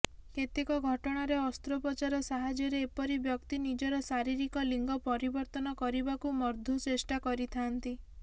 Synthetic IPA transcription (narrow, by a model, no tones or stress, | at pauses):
ket̪ekɔɡʱɔʈɔɽ̃aɾeɔst̪ɾopɔt͡ʃaɾɔsaɦad͡ʒɔɾeːpɔɾibjɔkt̪inid͡ʒɔɾɔsaɾiɾikɔliŋɡɔpɔɾibɔɾt̪ɔnɔkɔɾibakumɔɾd̪ʱut͡ʃesʈakɔɾit̪ʰant̪i